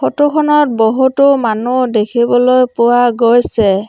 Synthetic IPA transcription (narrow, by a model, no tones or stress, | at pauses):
xɔtʊkʰɔnɔt̚bɔɦutʊmanudekʰibɔlojpʊwaɡojsɛ